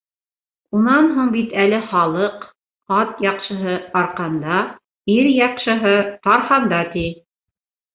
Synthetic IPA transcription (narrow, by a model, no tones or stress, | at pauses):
unɑnɦuɴbit̪ælɘχɑlˠɤq | ɑt̪jɑqʃɤ̆ɦɤɑɾqɑnd̪ɑ | iɾjɑqʃɤ̆ɦɤt̪ɑɾhɑnd̪ɑt̪i